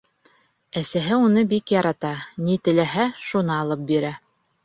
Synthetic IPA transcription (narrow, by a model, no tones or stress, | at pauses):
æsæɦɘunɤbikjɑɾɑt̪ɑnit̪ɘ̆læɦæʃunɤɑlˠɤp̚biɾæ